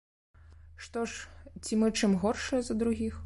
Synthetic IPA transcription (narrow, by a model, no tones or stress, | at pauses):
ʂt̪ɔʂt͡sʲimɨt͡ʂɨmɣɔrʂɨjɐzɐd̪ɾuɣʲix